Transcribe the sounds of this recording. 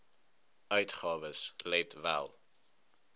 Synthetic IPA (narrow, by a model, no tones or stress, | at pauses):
œɥtχɑːvəslɛtvæ̰lˠ